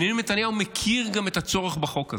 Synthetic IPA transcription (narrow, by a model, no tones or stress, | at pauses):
nelimet̪anjaumekʰiʁɡamet̪at͡so̞ʁeχbaχo̞kaz